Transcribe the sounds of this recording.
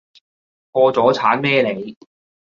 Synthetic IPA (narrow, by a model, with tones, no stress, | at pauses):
kɔː˧t͡sɔː˨˥t͡sʰaː˨˥nmɛː˥le˨˧j